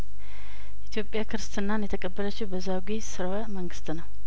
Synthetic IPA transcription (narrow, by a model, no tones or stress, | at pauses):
jɛʔit̪ʰjo̞pʼːjakʰɨɾst̪ʰɨnːanjɛt̪ʰəkʼəbːələt͡ʃːiwbəzaɡʷisɨɾawaməŋɡɨst̪nəw